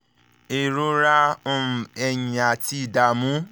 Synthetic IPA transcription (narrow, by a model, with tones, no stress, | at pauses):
e˨ɾu˦ɾã˦˨ | ɛ˧jĩ˨a˨ti˧˦˨da˨mũ˨˦